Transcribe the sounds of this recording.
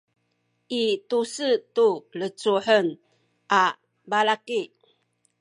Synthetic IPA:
ʔitusətulət͡suħən | ʔa | balaki

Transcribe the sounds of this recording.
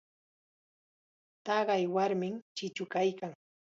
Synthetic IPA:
t̪ɑɢɑjwaɾmɪmt͡ʃɪt͡ʃʊkajkaŋ

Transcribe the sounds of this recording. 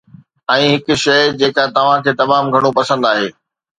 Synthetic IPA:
ɛ̃ːɦɪkʊ̆ʃɐjd͡ʑeːkat̪ɐʋ̤ãkʰeːt̪ɐmaːmɡʱɐɽ̃opɐsə̃nd̪aːɦḛː

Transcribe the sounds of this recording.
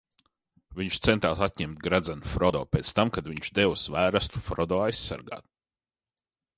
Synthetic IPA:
viɲʃt̪sɛnt̪aːsat̪̚ʲɲɛmt̪̚ɡɾad̪zanfɾɔd̪ɔːpʲeːt̪st̪amkad̪viɲt͡ʃd̪ɛwsvæːɾast̪u̥fɾɔd̪ɔːajsːa̰ɾɡa̰ːt̪̚

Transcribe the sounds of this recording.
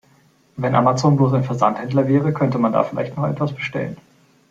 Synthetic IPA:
vɛnʔa̰mat͡soːnbloːs̬aɪnfɛɐzanthɛndlɐvɛːʁəkʰœntəmanda̰ːfɪlʔa̰ɪçtnɔχʔɛ̰tv̥asb̥əʃtɛ̰lə̰n

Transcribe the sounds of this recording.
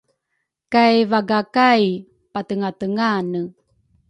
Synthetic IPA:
kajvaɡakaj | patəŋatəŋanə

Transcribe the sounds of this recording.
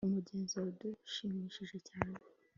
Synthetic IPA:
umuɟeːnziauduʃiːmiʃiʒe̞caːne

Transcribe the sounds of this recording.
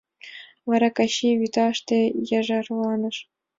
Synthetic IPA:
ʋɑɾɑkɑɕiʋit̪ɑʂt̪ʲejɑʐɑrlˠɑnɤ̆ʂ

